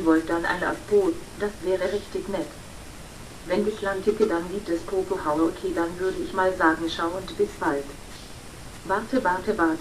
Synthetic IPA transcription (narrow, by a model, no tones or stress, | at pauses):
vɔlt̚d̥anʔa̰ɪna̰sb̥oːd̥asv̥ɛːʁəʁɪçtɪçnɛt | vɛndiçlantʰɪkədanɡiːp̚tɛspʁ̥oːkohaʊʔokʰeːdanvʏɐdəɪçmaːlzaːɡŋ̩ʃaʊəntb̥ɪsb̥alt | vaɐtəvaɐtəvaɐt